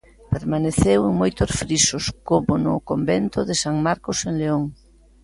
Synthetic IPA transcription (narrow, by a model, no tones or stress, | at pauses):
peɾmaneθeweŋmojt̪osfɾisoskomʊnʊ̰kombent̪ʊðɪsaŋmaɾkoseŋleoŋ